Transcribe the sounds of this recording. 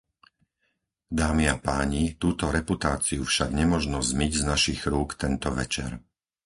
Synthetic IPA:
d̪aːmiapaːɲit̪uːt̪ɔɾɛput̪aːt͡siufʃaɡɲɛmɔʒnɔzmiɟznaʃiɣɾuːkt̪ɛnt̪ɔʋɛt͡ʃɛ̰ɾ

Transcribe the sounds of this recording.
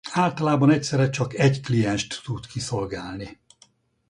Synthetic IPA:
aːlt̪ɒlaːbɒnɛcsɛɾɛt͡ʃɒkɛɟklijɛnʃt̪ːut̪kiso̞lɡaːlni

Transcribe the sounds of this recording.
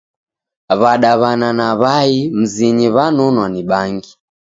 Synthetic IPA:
βaɗaβananaβaim̩ziɲiβanunwaniɓaŋɡi

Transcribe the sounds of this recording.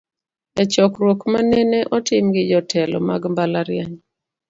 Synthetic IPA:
ɛt͡ʃɔkɾwokmanɛneʔɔtɪmɡɪd͡ʒɔtʰɛlɔ̰maɡmbalaɾɪaɲ

